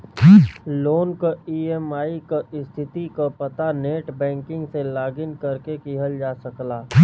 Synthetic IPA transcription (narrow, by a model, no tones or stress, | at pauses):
loːnkoiːɛmaːikaɪst̪ʰɪt̪ikopɐt̪aneːʈbɛ̃ːŋkɪ̃ŋɡselaːɡɪnkɐɾkekiɦəld͡ʒaːsɐklaː